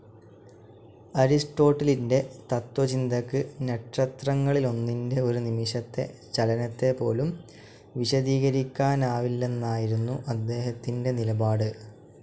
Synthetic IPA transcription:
ɐɾisʈo̞ːʈːɐlinde̞t̪ɐt̪wɐt͡ɕind̪ʱɐkːɨne̞ʈrɐt̪rɐŋːɐɭilo̞nːinde̞o̞ɾunimiɕɐt̪ːe̞̰ | t͡ɕɐlɐnɐt̪ːepo̞ːlum | ʋiɕɐd̪iːɣɐɾikʲːaːnaːʋilːe̞nːaːjiɾunːuʔɐd̪ːe̞ːɦɐt̪ːinde̞nilɐbaːɽɨ

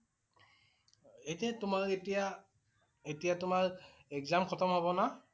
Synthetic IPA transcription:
ejtɛtʊmaɹetija | etijatʊmaɹɛkzamkʰɔtɔmɦobɔna

